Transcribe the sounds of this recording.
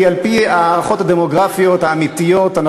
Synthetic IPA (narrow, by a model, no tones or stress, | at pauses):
ialpiaːʁaχo̞thad̪emo̞ɡʁafijo̞thaːmit̪ijo̞tana